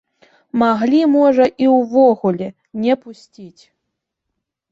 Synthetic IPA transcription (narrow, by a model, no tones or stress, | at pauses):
maɣlʲimɔʐɐʔiwvɔɣulʲɛ | nʲɛpusʲtʲit͡sʲ